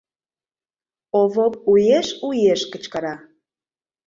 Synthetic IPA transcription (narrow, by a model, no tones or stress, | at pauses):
oβop̚ujeʃujeʃkət͡ɕkɑɾɑ